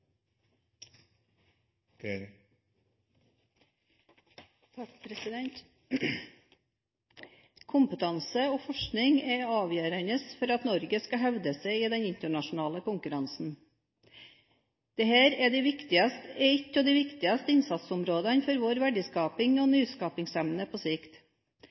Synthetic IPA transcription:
t̪ʰɑkpʰɾɛsɪd̪ɛnt̪ | kʰʊmpət̪ʰɑnsəoːfɔʂknɪŋɛɑːʋjøːɾənəsfɔɾɑt̪nɔɾɡəskɑɦɛʋd̪əsɛɪiːd̪ɛnɪnt̪əɳɑʂʊn̩ɑːləkʊŋkʉɾɑnsn̩ | d̪̥ɛhæːɾɛd̪ɛɪʋɪkt̪ɪɑst̪ɛɪt̪ːɔd̪iʋɪkt̪ɪɑst̪əɪnsɑt̪sʊmɾoːd̪ɑnfɔɾʋoːɾʋæɖɪskɑːpɪŋoːnyːskɑːpɪŋsɛmnəpʰoːsɪkt̪

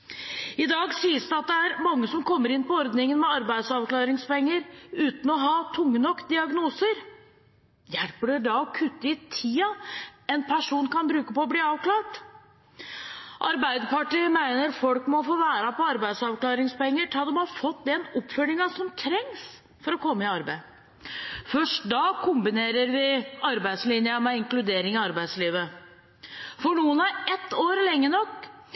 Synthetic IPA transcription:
ɪd̪ɑːɡsiːəsd̪ɛɑt̪̚d̪ɛæɾmɑŋːəsɔmkʰɔmːəɾɪnpɔɔɾd̪nɪŋənmɛɑɾbæɪd̪sɑʋklɑːɾɪŋspɔɛŋːəɾʉːt̪n̩ɔɦɑːt̪ʰʊŋːənɔkːd̪ɪɑɡnuːsəɾ | jɛlpəɖɛɖɑɔkʰʉt̪ːəɪt̪ʰiːɑɛnpʰæʂuːnkɑnbɾʉːkəpɔɔbliːɑːʋklɑːʈ | ʔɑɾbæɪd̪əpʰɑʈiəmæɪnəɾfɔlkmɔfoːʋæːɾɑpɔɑɾbæɪd̪sɑʋklɑːɾɪŋspɔɛŋːəʈʰɑd̪ɔmhɑɾfɔt̪ːd̪ɛnɔpfœlɪŋɑsɔmt̪ʰɾɛŋs | fɔɾɔkʰɔmːəɪɑɾbæɪ | fœʂʈd̪ɑːkʰʊmbɪneːɾəɾʋɪɑɾbæɪd̪slɪnjəmɛɪŋklʉd̪eːɾɪŋɑɑɾbæɪd̪sliːʋə | fɔɳuːənæɾɛt̪ːoːɾlɛŋːənɔkː

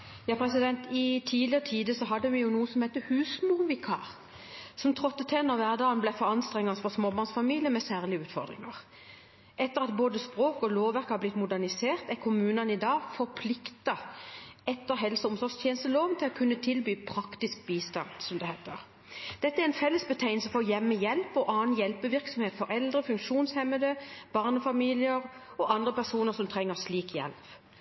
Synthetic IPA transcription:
jɑːpʰɾɛsɪd̪ɛnt̪ɪt̪ʰiːlɪəʁət̪ʰiːd̪əsɔɦɑd̪ːəʋɪjʊnuːəsɔmheɪt̪ːəhʉːsmʊʁʋɪkʰɑ̰ːʁ | sɔmt̪ʰʁɔt̪ːət̪ʰɛːnɔʁʋæːʁd̪ɑːənblæfɔʁɑnst̪ʁɛŋːɑsfɔsmoːbɑʁnsfɑmiːlɪəmɛsæːʁlɪəʉːt̪fɔ̰ʁd̪ʁɪ̰ŋɑʁ | ʔɛt̪ːəʁɑt̪̚boːd̪əspʁoːkɔloːʋʋæʁkhɑblɪt̪ːmʊd̪æʁnɪseːʁt̪ækʰʊmʉːnɑnɪd̪ɑːɡfɔʁpʰlɪkt̪ɑ | ɛt̪ːəɾɦɛlsəʊmsɔʁst̪ʰjeːnəst̪əloːʋnt̪ʰɪlɔkʰʉnːət̪ʰɪlbyːpʰɾɑkt̪ɪsk̚biːst̪ɑnsɔmd̪ɛheːt̪əʁ | d̪̥ɛt̪ːəæɾɛnfɛlːəsbət̪ʰæɪnsəfɔɾjɛmːəjɛlpɔʔɑːnjɛlpəʋɪʁksɔmheːt̪fɔɾɛld̪ʁəfʉŋkʂuːnshɛmːəd̪əb̥ɑʁnəfɑmiːlɪəɾ | ɔʔɑnd̪ʁəpæʁsuːnəʁsɔmt̪ʰʁɛŋːəʁsliːkjɛ̰lp

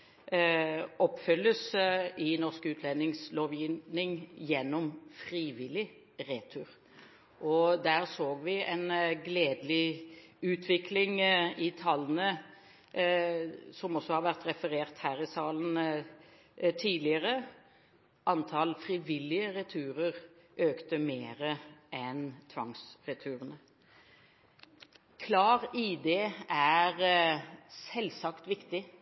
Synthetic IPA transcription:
ɔpːfœlːəsɪnɔʁskʉːt̪ʰlɛnɪŋsloːʋjɪnɪŋjɛnːɔmfɾiːʋɪlɪ | ʁeːt̪ʰʉːɾ | ʔɔd̪æːʁsoːɡʋɪʔɛnɡleːd̪lɪʉːt̪ʰʋɪkʰlɪŋɪt̪ʰɑlːənə | sɔmɔsːɔhɑɾʋæʁt̪ɾɛfəɾeːʁt̪hæːɾɪsɑːlən̩ | t̪ʰiːd̪lɪəɾə | ʔɑnt̪ʰɑlfɾɪʋɪlːɪəɾɛt̪ʰʉːɾəʁʔøːkt̪əmeːɾəɛnt̪ʰʋɑŋsɾɛt̪ʰʉːɾənə | kʰlɑːɾɪd̪eːæɾ | sɛlːsɑkt̪ʋɪkt̪ɪ

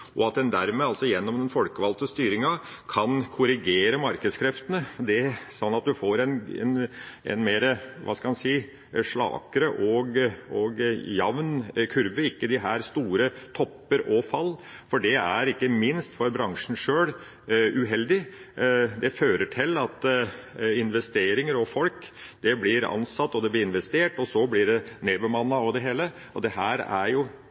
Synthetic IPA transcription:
ɔɑt̪̚d̪ɛnd̪æɾmeːɑlsɔjɛnːɔmd̪ɛnfɔlkəʋɑlt̪əst̪yːɾɪŋɑ | kʰɑnkʰʊɾɪɡeːɾəmɑɾkəd̪skʰɾɛft̪ənəd̪ɛsɔnːɑt̪̚d̪ʉfoːɾɛnɛ̰nɛ̰nmeːɾəʋʔɑ̰ːskɑmɑnsiː | ʂɭɑ̰ːkəɾəʔɔɡɔɡjɑʋnkʰʉɾʋəɪkːəd̪ɪɦæːɾst̪uːɾət̪ʰɔpːəɾɔfɑlː | fɔɖɛæɾɪkːəmɪnst̪fɔɾbɾɑŋʂn̩ʂøːɽ | ʉɦɛld̪ɪ | d̪ɛføːɾəʈʰɪlːɑt̪ | ɪnʋɛst̪eːɾɪŋəɾɔfɔlkd̪̥ɛblɪɾɑ̰nsɑt̪ːɔd̪ɛblɪɾɪnʋɛst̪eːʈɔsɔblɪɖɛneːbəmɑnːɑɔd̪ɛɦeːlə | ɔd̪ɛɦæːɾæ̰ɾjʊ

